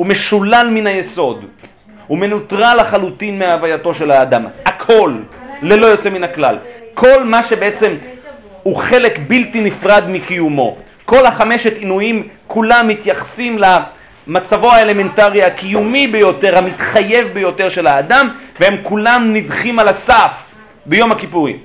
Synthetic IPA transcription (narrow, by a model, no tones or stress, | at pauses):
ume̞ʃulalminajeso̞d̪ | ume̞nutʁalaχalutinmeaːvajato̞ʃe̞laːd̪amhakʰo̞lːelo̞jo̞t͡se̞minakla̰lkʰo̞lmaʃe̞beet͡se̞m | huχe̞le̞kbiltinifʁad̪mikijumo̞ | ko̞lhaχame̞ʃet̪inujimkʰulamːit̪jaχsimla | mat͡savo̞haele̞me̞ntaʁiakijumibe̞jo̞t̪e̞ʁhamit̪χaje̞vbejo̞te̞ʁʃe̞laːd̪amvehemkulamnidχimalasaf | bejo̞makipuʁḭm